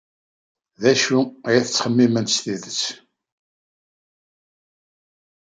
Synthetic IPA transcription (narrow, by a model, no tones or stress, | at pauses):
ðæʃujæθət͡sːχəmːimənsθiðət͡sː